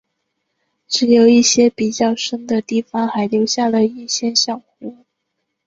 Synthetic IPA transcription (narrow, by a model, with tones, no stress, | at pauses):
ʈ͡ʂɻ̩˧˥jo˨˩ʊi˥˩ɕjɛ˥pi˨˩t͡ɕjɑ˥˩ʊʂə˥nd̪ə˨t̪i˥˩fɑ˥˩ŋxa˧˥ɪljo˧˥ʊɕja˥˩lə˩i˥˩ɕjɛ˥nɕjɑ˥˩ŋxu˧˥˦